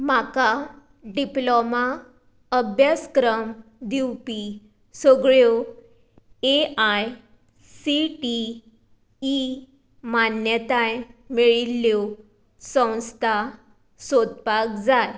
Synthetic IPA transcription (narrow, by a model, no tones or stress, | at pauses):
m̤aka | ɖiploma | əbʱjaskɾəmd̪iwpi | səɡɭjo | eʔaj | siʈi | manjət̪ajmiɭilːow | sə̃w̃st̪ʰa | sod̪pakd͡zaj